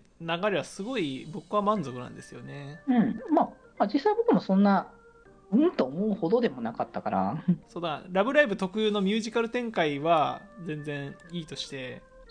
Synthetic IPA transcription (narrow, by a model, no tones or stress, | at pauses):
naɡaɾeβasɨɡo̞ibo̞kɯ̟βamãnzo̞kɯ̟nã̰nd̪e̞sɨjo̞ne̞ɯ̟̃ɴma | mad͡ʑisːaibo̞kɯ̟mo̞sõ̞nːa | ɯ̟̃t̪oːmoɯ̟ho̞d̪o̞d̪e̞mo̞nakat̪ːakaɾa̰so̞ːd̪aɾabɯ̟ɾaibɯ̟t̪o̞kɯɯːno̞mʲjɨːʑikaɾɯ̟t̪ẽ̞ŋkaiβad͡zẽ̞nd͡zẽ̞ɰ̃iːt̪o̞ɕi̥t̪e̞